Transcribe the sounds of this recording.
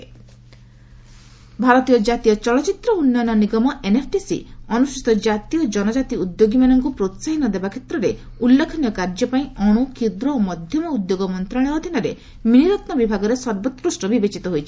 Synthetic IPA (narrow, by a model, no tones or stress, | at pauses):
bʱaɾɔt̪ijɔd͡ʒat̪ijɔt͡ʃɔɭɔt͡ʃit̪ɾɔunːajnɔniɡɔmɔʔenepʰʈisḭɔnusit̪ɔd͡ʒat̪ijɔd͡ʒɔnɔd͡ʒat̪iud̪joɡimanɔŋkupɾot̪saɦinɔd̪ebakʰet̪ɾɔɾe | ulːekʰɔnijɔkaɾd͡ʒɔpaĩɔɽ̃ukid̪ɾɔomɔd̪ʱjɔmɔud̪joɡɔmɔnt̪ɾaɽ̃ɔɦɔd̪ʱinaɾe | miniɾɔt̪nɔbibʱaɡɔɾesɔɾbɔt̪kɾusʈɔbibet͡ʃit̪ɔɦojt͡ʃʰi̥